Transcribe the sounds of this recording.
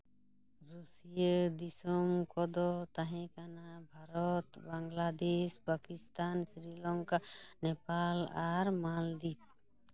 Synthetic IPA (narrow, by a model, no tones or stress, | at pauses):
ɾusijed̪isɔmkɔd̪ɔt̪aɦɛ̃kanabʱaɾɔt̪baŋɡlad̪eʃpakist̪ansɾilɔŋkanɛpalaɾmald̪ip̚